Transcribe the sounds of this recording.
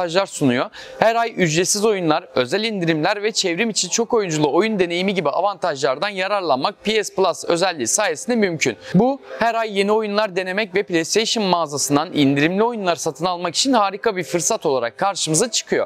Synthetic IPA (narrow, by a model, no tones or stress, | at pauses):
aʒlˠaɾsunujo̞ | hæɾajyd͡ʒɾesizo̞junlˠaɾø̞zælʲind̪iɾimlʲæɾvɛt͡ʃʰɛvɾimit͡ʃʰint͡ʃʰo̞ko̞jund͡ʒulˠuo̞jund̪e̞ne̞jimiɟibia̰vant̪ʰaʒlˠaɾd̪anjaɾaɾlˠanmak̚pʰiɛsplˠasø̞zɛlʲːiːsaːjesind̪ɛmymcʰy̰nbuhæɾajːe̞nio̞junlˠaɾd̪e̞ne̞mɛcvɛplʲejst̪ejʃɯnmaːzasɯnd̪anind̪iɾimlʲio̞junlˠaɾsat̪ʰɯnalˠmaki̥t͡ʃʰinhaːɾikʰabiɾfɯɾsat̪ʰo̞lˠaɾakʰːaɾʃɯmɯzat͡ʃʰɯ̥kʰɯjo̞̰